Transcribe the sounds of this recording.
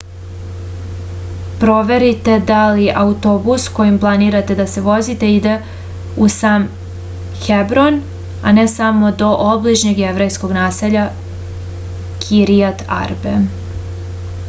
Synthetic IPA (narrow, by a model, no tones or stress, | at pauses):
pɾo̞ʋe̞ɾit̪e̞d̪aliʔaut̪o̞busko̞jimplˠaniːɾat̪e̞d̪ase̞ʋo̞zit̪e̞id̪e̞ | usaːm | xebɾo̞n | a̰nesamo̞d̪o̞ʔobliʒɲeɡjeʋɾejsko̞ɡnaːseʎa | kʰiɾiat̪a̰ɾbe